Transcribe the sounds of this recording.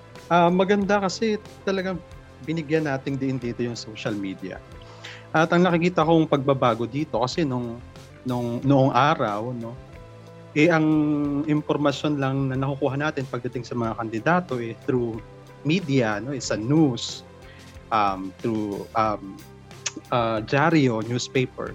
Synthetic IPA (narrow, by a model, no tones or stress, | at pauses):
ʔɐmːɐɡɐnd̪akɐsɛt̪ɐlɐɡaŋ | bɪnɪɡjɐnːaːt̪ɪŋd̪ɪʔɪnd̪iːt̪o̞jʊŋsowʃɐlmiːd̪ɐ̰ | ʔɐt̪ɐŋnɐkɪkiːt̪ɐkoŋpɐɡ̚bɐbaːɡo̞d̪iːt̪o̞kɐsɛnoŋ | noŋnoʔo̞ŋʔaːɾɐwno̞ | ʔɛʔɐŋʔɪmpo̞ɾmɐʃjo̞nlɐŋnɐnɐkʊkuːɦɐnaːt̪ɪnpɐɡ̚d̪ɐt̪ɪŋsɐmɐŋakɐnd̪ɪd̪aːt̪o̞ʔɛt̪ɾu | miːd̪iɐno̞ʔɛsɐnus | ʔɐmt̪ɾuʔɐm | ʔad͡ʒaɾio̞njuspejpɛ̰ɹ